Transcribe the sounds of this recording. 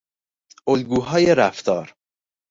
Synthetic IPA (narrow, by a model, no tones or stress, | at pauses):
ʔolɡuːɦɒːjeɾæft̪ʰɒːɾ